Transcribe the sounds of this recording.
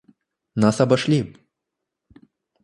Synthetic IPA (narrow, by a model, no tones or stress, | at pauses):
nasɐbaʃlʲip